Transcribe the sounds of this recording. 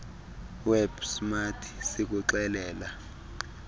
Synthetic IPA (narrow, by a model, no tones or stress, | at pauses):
wɛbsmatʰi̥sik̬ʼuǁɛlɛːla